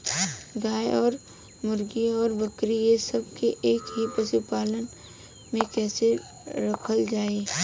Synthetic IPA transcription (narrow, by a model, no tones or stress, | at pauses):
ɡaːeɔːɾ | mʊɾɡiɔːɾbɐkɾiesɐb̚keʔeːkɦipɐsɪpaːlən | mẽkɛːse | ɾɐkʰəld͡ʒaːe